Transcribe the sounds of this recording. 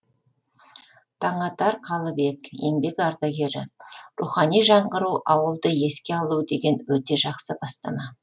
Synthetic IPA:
t̪ʰɑɴɑt̪ɑɾqʰɑlˠəbe̞kje̞̰mbe̞kɑɾd̪ɑɡʲe̞ɾɪruχɑnijʒɑɴɢəɾuʔɑwəlˠd̪əe̞skʲe̞ɑlˠud̪e̞ɡʲe̞nwɵt̪e̞ʒɑqsəbɑst̪ɑmɑ

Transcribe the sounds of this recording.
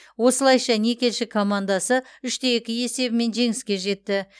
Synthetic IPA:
wo̞səlˠɑjʃɑne̞kʲe̞lʃɪkʰomand̪asəʏʃt̪ejekʲɪje̞se̞bɪme̞nʒe̞ŋɪskʲe̞ʒe̞t̪ːɪ

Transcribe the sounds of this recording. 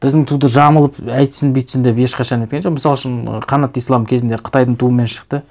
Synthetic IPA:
b̥ɪzd̪ɪŋt̪ʰud̪əʒɑməlˠəpæjt̪sɪnbijt̪sɪnd̪epe̞ʃqɑʃɑnejt̪kʲend͡ʒoqmɪsɑlˠəʃən̰qʰɑnɑt̪ijslˠɑmkʲʰe̞zɪnd̪e̞qʰə̥t̪ɑjd̪əɴt̪ʰuəme̞nʃə̥qt̪ə

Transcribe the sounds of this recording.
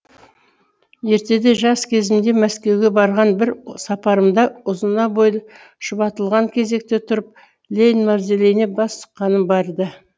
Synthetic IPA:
je̞ɾt̪e̞d̪e̞ʒɑskʲʰe̞zɪmd̪e̞mæskʲe̞wɡʲe̞bɑɾʁɑnbɪɾsɑpɑɾəmd̪ɑʊzənɑbojlˠ | ʃəbɑt̪əlˠʁɑŋkʲʰe̞ze̞k̚t̪et̪ʰʊɾəp̚ | lʲejnmɑɾzelejne̞bɑst̪ə̥qːɑnəmbɑɾd̪ə

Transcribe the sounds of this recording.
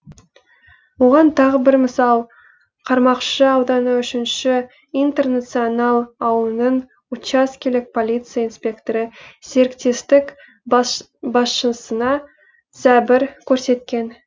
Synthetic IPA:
wo̞ʁɑnt̪ʰɑʁəbɪɾməsɑlˠ | qʰɑɾmɑqʃəɑwd̪ɑnəʏʃɪnʃɪ | ijnt̪e̞rnat̪sɨjonɑlˠɑwlˠənəɴ | ut͡ʃaskʲelɪk̚pʰo̞lʲijt̪sɨjainspʲe̞kt̪oɾəse̞ɾkt̪e̞st̪ɪk | bɑsʃənsənɑ | sæbɪɾkʲʰɵɾse̞t̪kʲe̞n

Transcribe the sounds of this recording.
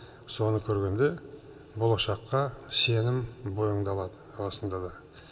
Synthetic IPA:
so̞nəkʲʰɵɾɡʲe̞nd̪e̞ | bolˠɑʃɑqːɑse̞nɪmbojəɴd̪ɑlˠɑd̪əɑlˠɑsənd̪ɑd̪ɑ

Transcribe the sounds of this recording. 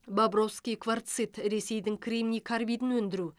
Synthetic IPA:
babro̞fskʲijkvart̪sɨjt̪ɾe̞se̞jd̪ɪŋkʰrʲimnʲijkʰarvʲijd̪ɪnwɵnd̪ɪɾu

